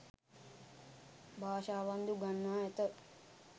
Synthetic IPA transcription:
bʱaːʃaːʋand̪uɡanːaːɛt̪ə

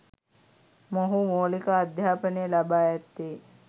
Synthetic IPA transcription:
moɦumoːlikaːd̪jaːpənejəlabaːjɛt̪ːe

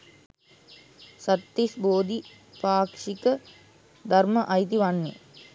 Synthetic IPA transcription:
sɐt̪ːisboːd̪i | paːkʂikə | d̪ʱɐrməʔɐjt̪̬iʋɐnːḛ

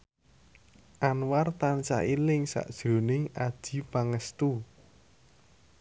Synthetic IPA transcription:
ʔanwart̪ant͡ʃa̰ʔilɪŋsa̰ʔd̥ʒ̥o̤nɪŋad̥ʒ̥i̤paŋəst̪u

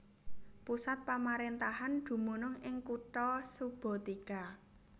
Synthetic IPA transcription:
pusat̪̚pamaɾent̪ahand̪̥ṳmunʊŋɪŋkuʈɔsub̥ɔ̤t̪ika

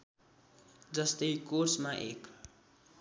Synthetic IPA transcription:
d͡zʌst̪ʌjkorsmaʔḛk

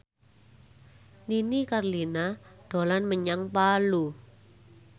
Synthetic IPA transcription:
ninikarlinaɖ̥o̤lanməɲaŋpalu

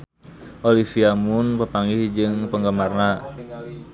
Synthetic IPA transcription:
ʔolifiamuʊnpəpaŋɡihd͡ʒɨŋpəŋɡəmarna

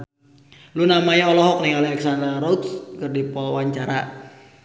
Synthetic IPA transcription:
lunamaɲaɔlɔɦɔk̚niŋalɛksand̪ɾaɾɔut̪skərdipɔwaɲt͡ʃaɾa

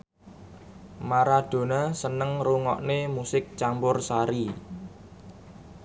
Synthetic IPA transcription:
maɾad̪̥o̤nasənəŋruŋɔ̰ʔnemusɪk̚t͡ʃampʊrsaɾi

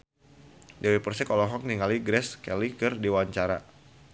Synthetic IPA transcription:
dɛwepərsɛkɔlɔɦɔk̚niŋaliɡɾɛskɛlikɨrdiwaɲt͡ʃaɾa

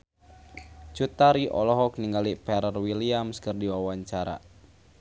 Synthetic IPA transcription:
t͡ʃut̪aɾiʔɔ̰lɔɦɔk̚niŋɡalipɛɾərwiliamskərdiwawaɲt͡ʃaɾa̰

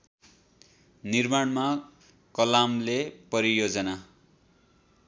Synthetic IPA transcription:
nirmaɳma | kʌlamlepʌɾijod͡zʌna

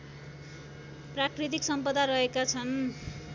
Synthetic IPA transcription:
prakrit̪̬iksʌmpʌd̪aɾʌɦekat͡sʰʌn

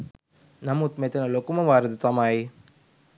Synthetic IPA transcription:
nɐmut̪met̪ɐnɐlokumɐʋaːɾɐd̪ɐt̪ɐmaːji

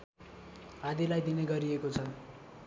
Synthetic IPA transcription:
ad̪ilajd̪ineɡʌɾiekot͡sʰʌ

